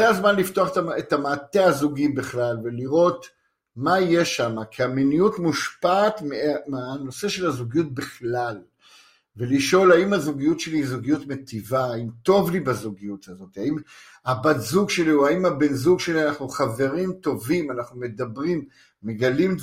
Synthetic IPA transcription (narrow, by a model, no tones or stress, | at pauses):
eazmanlift̪oaχet̪aet̪hamaːte̞azuɡibeχlalve̞liʁo̞t̪ | majeʃamakʰiaminijutmuʃpaːt̪memano̞se̞ʃe̞lazuɡijut̚biχlal | ve̞liʃo̞laimazuɡijutʃe̞lizuɡijutme̞tivaːimt̪o̞vlibazuɡijut̪azo̞t̪iaim | habadzuɡʃe̞liuaimabe̞nzuɡʃe̞lianaχnuχave̞ʁimt̪o̞vimanaχnume̞d̪abʁimː | eɡalim